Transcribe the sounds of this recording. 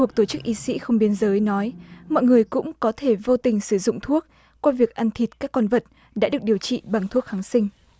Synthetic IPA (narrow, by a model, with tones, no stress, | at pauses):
ək̚t̪o˧˩t͡ɕɨ˦˥k̚ʔi˨˦sḭ˧˥xə˧wŋ͡mɓi˧ənzəː˨˦jnɔ˨˦jmɔ̰˧˨jŋɨ˨˩əjkʊ̰˧˥ŋ͡mkɔ˨˦t̪ʰe˧˩vo˧t̪ï˨˩ŋ̟sɨ˧˩zʊ̰˧˨ŋ͡mt̪ʰu˦˥ək̚ | kːwaː˧vi˨˩ək̚ʔa˧nt̪ʰi˨˩t̚kaː˦˥kːɔ˧nvə˨˩t̚ | ɗa̰ː˧˥ɗɨ˨˩ək̚ɗi˨˩əwt͡ɕḭ˧˨ɓa˨˩ŋt̪ʰu˦˥ək̚ha˨˦ŋsï˧ŋ̟